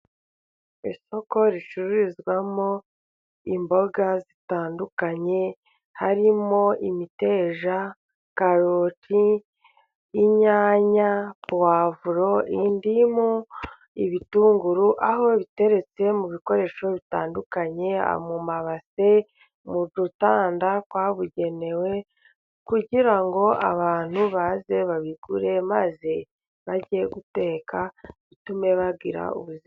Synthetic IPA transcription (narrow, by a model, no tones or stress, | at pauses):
iso̞ko̞ɾiʃuɾuɾizɡwamo̞ | imbo̞ɡazitaːndukaɲe̞ | haɾimo̞ʔimite̞ːʒa | kaɾoti | ɲaːɲapwaːvuɾo̞ʔindimo | iβituːŋɡuɾuʔaɦo̞βite̞ɾe̞t͡se̞muβiko̞ɾe̞ːʃo̞βitaːndukaɲe̞a̰mumaβase̞ | mud͡ʒutaːndakwaːβuɟe̞ne̞we̞ | kuɟiɾaŋɡo̞ʔa̰βaːn̥huβaze̞βaβiɡ̥uɾe̞maze̞ | βaɟieɡute̞ːkaβitume̞βaɡiɾa̰ṵβuzi